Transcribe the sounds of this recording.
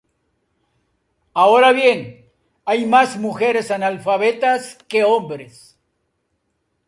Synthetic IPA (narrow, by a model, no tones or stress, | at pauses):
aoɾaβje̞ŋ | ajmazmuxe̞ɾe̞sanalfaβet̪askeombɾes